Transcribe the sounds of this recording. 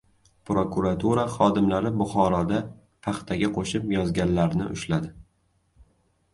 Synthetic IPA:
pɾokuɾat̪ʰuɾaχɒd̪ɪmlaɾɪbʊχɒɾɒd̪a | pʰɑχt̪ʰaɡʲaqʰoʃɪpjɒzɡʲanlaɾnɪ̰ʔʊ̰ʃlad̪ɪ

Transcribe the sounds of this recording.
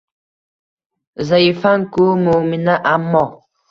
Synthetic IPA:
zaifaŋkumuminaʔamːɔ

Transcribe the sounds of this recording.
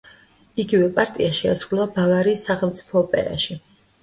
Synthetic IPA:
iɡivɛpʼaɾt̪ʼiaʃɛasɾulˠabavaɾiːsːaχɛlˠt̪sʼi̥pʰɔːpʼɛ̰ɾa̰ʃi

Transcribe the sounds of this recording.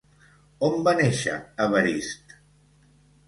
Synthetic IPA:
ombaneʃə̰əβəɾist̪

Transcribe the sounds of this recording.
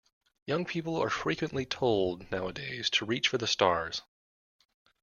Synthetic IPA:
jʌ̃ŋpʰipl̩ˠə̰˞fɹikwɨ̃nʔlitʰoʊlˠdⁿnaʊədeɪz̥tʰəɹit͡ʃfə˞ðəstɑɹz̥

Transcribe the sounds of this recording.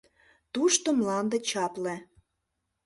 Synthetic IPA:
t̪uʃt̪omlɑnd̪ə̆t͡ɕɑple

